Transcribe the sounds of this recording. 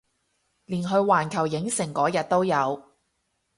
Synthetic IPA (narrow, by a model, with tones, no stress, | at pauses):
liː˨˩nɦɵ˧ɥwaː˨˩nkʰɐ˨˩wjɪ˨˥ŋsɪ˨˩ŋkɔː˨˥jɐ˨t̚t̪o˥wjɐ˨˧w